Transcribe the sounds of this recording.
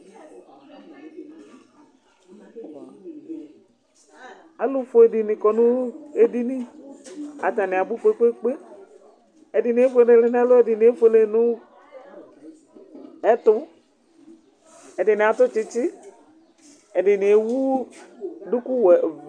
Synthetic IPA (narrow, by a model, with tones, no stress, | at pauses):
a˨lʊ˦fo˦e˨di˨nĩ˨kɔ˨nũ˦e˦di˦nĩ˦ | a˨t̪a˨nɪ̃˨a˨bu˦fo˦e˦k͡pe˦k͡pe˦ | e˨di˨nĩ˨˦e˦fo˦˨ne˨le˨n˦a˦lo˦e˨dɪ˨nĩ˨˦e˦fo˨˦le˨nũ˦ | ɛ˦t̪ʊ˦ | e˨dɪ˨nɪ̃˨a˨t̪ʊ˦t͡ʃi˦t͡ʃi˦ | e˨ɖɪ˨nĩ˨e˨wu˦ | du˦ku˦wɛ˨